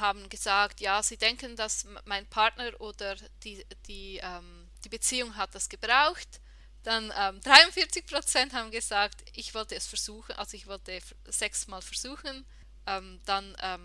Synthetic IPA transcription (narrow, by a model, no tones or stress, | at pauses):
haːbn̩ɡəzaːktjaːziːdɛŋkəndasmaɪnpʰaʁtnəʁʔoːd̥ə | d̥iːd̥iːʔɛːm | d̥iːbet͡siːʊŋɦat̚d̥asɡ̥əb̥ʁaʊxt | d̥anʔɛːmd̥ʁaɪʊntfɪɐt͡sɪçpʁ̥ot͡sɛnthaːbn̩ɡəzaːktʔɪçv̥ɔltəɛsfɛɐz̥uːxənʔa̰lzoɪçv̥ɔltə | z̥ɛksmaːlfɛɐz̥uːxən | ʔɛːmd̥anʔɛːm